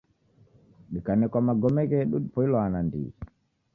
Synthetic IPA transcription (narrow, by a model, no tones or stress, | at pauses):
ɗikanɛkwamaɡɔmɛɣɛɗuɗipɔilɔanandḭ